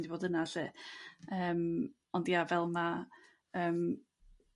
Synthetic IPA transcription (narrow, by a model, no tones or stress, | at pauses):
diboːdənasɨːəːm | ɔndiavɛlˠma | əːm